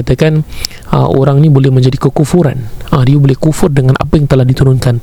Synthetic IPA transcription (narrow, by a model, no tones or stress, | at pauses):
at̪akan | ə̰ʔo̰ɾaŋnibolɛhməɲd͡ʒadikəkufuɾa̰nədiabolɛhkufʊrdəŋanʔa̰pajaŋt̪əlahdit̪uɾʊnkan